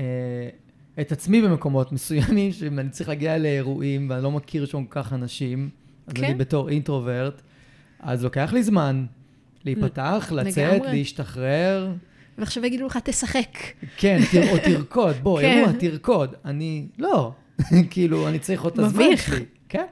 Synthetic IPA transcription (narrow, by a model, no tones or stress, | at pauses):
e | etat͡smibeme̞ko̞mo̞tme̞sujamimʃeimanit͡saʁiχlaɡialeeʁuʔimveanilo̞makʰiʁʃakokaχanaʃim | azaibeto̞ʁintʁoveʁt | a̰zlo̞ke̞aχlizman | leitpataːχlalt͡set̪leiʃtaχʁeʁ | veaχʃavaɡid̪uleχat̪esaχekkʰeniot̪iʁkʰo̞d̪̚bo̞euatiʁko̞danilo̞ | kiːluanit͡saʁiχod̚t̪azmaʃeli | ken